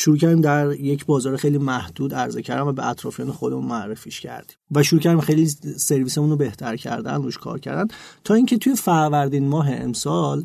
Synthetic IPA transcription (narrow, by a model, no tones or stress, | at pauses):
ʃuɾuːcʰæɾd̪imd̪æɾje̞cʰbɒːzɒːɾexejliːmæhd̪̥uːd̪æɾzecʰæɾd̪æmvæbeæt̪ʰɾɒ̰ːfijɒːnexo̞d̪emunmoæɾːefiʃcʰæ̰ɾd̪i̥mvæʃuɾuːcʰæɾd̪imxejlise̞ɾviːsemunobe̞ht̪ʰæɾcʰæ̰ɾd̪æ̰nruʃkʰɒ̰ːɾcʰæ̰ɾd̪ænt̪ʰɒːiːŋcʰet̪ʰujefæɾvæɾd̪inmɒːɦe̞ḛmsɒl